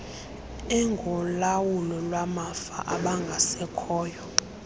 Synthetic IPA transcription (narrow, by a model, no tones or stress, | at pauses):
ɛŋɡʱɔlawulɔlwamafa̰ʔaɓaŋɡʱasɛkʰɔːjɔ